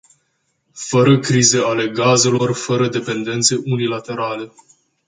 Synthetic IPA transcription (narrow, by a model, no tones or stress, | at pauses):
fəɾəkɾize̞ale̞ɡaze̞lo̞rfəɾəd̪e̞pe̞nd̪e̞nt̪se̞ʔunilat̪e̞ɾale̞